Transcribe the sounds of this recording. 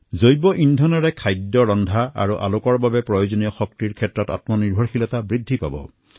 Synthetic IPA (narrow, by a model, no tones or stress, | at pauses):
zojbɔʔindʱɔnɔɹɛkʰajdːɔɹɔndʱaa̰ɹuʔa̰lʊkɔɹbabɛpɹɔjozonijɔxɔktiɹkʰɛtɹɔta̰tmɔniɹbʱɔɹxilɔtabɹidʱːipa̰bɔ̰